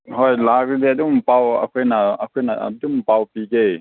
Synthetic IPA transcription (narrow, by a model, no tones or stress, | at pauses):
ɦɔjlakdɛadumpawa̰kʰenaakʰɔna̰dumpawpikej